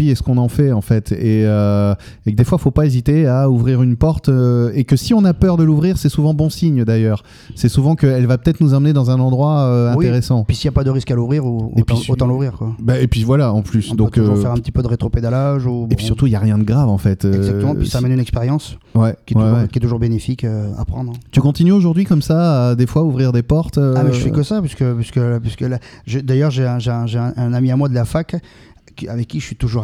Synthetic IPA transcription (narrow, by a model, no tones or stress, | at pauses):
iɛsə̥kɔ̃nɑ̃fɛɑ̃fɛt̪ʰeø | ek̚d̪efwafopaezit̪eauvʁiʁynpɔʁt̪ekəsiɔ̃napœʁd̪əluvʁiʁsɛsuvɑ̃bɔ̃siɲd̪ajœːʁ | sɛsuvɑ̃kəɛlvapət̪ɛt̪χnuzɑ̃məned̪ɑ̃zɛ̃nɑ̃d̪ʁwaøɛ̃t̪eʁesɑ̃pisiljapad̪əʁiskaluvʁiʁutpiot̪ɑ̃luvʁiʁkwabaepɥivwalaɑ̃plysd̪ɔ̃køuffɛʁɛ̃pət̪i̥pød̪əʁet̪χoped̪alaʒubepisyʁt̪uiljaʁjɛ̃d̪əɡʁavɑ̃fɛt̪øɛɡzak̪̚əmɑ̃isaːmɛnynɛkspeʁjɑ̃swɛkʲjɛtw̪uɛɛkʲjɛt̪uʒuʁbenefikøa̰pχɑ̃d̪ʁɛt̪ykɔ̃t̪inyoʒuʁd̪ɥikɔmsaːd̪efwauvʁiʁd̪epɔʁt̪øabɛʒəfɛkəsapɥiskəpɥiskəpiskəlaʒed̪ajœʁʒeɛ̃ʒeɛ̃ʒeɛ̃ʔɛ̃namiamwad̪əlafak | kavɛkʲːiʒəsɥit̪uʒuʁ